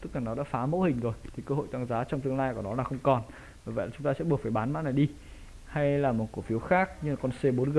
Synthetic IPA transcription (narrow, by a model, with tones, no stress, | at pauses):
t̪ɨ˦˥k̚laː˨˩nɔ˨˦ɗa̰ː˧˥faː˨˦mo̰˧˥hï˨˩ŋ̟zo˨˩jt̪ʰi˨˩kəː˧ho̰˧˨jt̪aː˧˩ŋzaː˨˦t͡ɕɔ˧wŋ͡mt̪ɨ˧əŋlaː˧jkɔ˧˩nɔ˨˦laː˨˩xə˧wŋ͡mkɔ˨˩n | viː˨˧˩v̰ə̰˧˨jlaː˨t͡ɕʊ˨˦ŋ͡mt̪aː˧sɛ̰˧˥ɓu˧˩əfaː˧˩jɓaː˨˦nma̰ː˧˥na˨˩jɗi˧ | ha˧jlaː˨˩mo˨˩t̚ku˧˩fi˨˦wxaː˦˥k̚ɲɨ˧la˨˩kɔ˧nse˧ɓo˨˦nɣə˨˩